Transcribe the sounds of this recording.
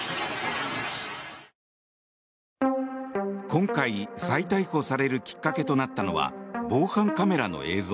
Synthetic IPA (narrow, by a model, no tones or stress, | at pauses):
kõ̞ŋkaisait̪aiho̞saɾe̞ɾɯ̟kʲi̥kːake̞t̪o̞nat̪ːano̞̰βa̰bo̞ːhãŋkame̞ɾano̞̰ʔe̞ːzoː